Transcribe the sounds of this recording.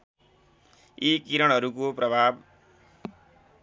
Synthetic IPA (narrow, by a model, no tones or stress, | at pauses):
ikiɾʌɽ̃ɦʌɾukoprʌbʱab̚